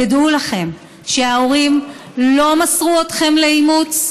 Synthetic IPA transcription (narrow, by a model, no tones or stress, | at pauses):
adulaχe̞m | ʃe̞ao̞ʁimlo̞masʁuotχe̞mleimut͡s